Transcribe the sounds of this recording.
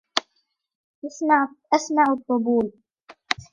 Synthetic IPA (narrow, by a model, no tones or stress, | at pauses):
ʔasmaʕʊt̪ˤːʊbuːl